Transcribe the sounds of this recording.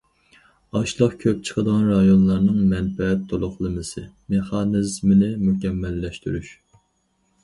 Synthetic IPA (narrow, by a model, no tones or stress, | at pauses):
ɑʃlˠəqkʲʰøp̚t͡ʃʰə̥qʰəd̪əʁɑnɾɑjonlˠɑɾnɨŋmɛnfɛɛt̪ʰːolˠʊχlˠɨmɨsɨ | meχɑːnɨzmɪnɪmukʲɛmːɛlːɛʃt̪yɾyʃ